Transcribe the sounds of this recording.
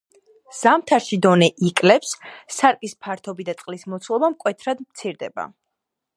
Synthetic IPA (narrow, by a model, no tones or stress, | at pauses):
z̥amt̪ʰaɾʃid̪ɔnɛʔikʼlɛpsːaɾkʼispʰaɾt̪ʰɔbid̪at̪sʼqʼlismɔt̪sʰlˠɔbamkʼwɛt̪ʰɾad̪mt̪sʰiɾd̪ɛ̰ba̰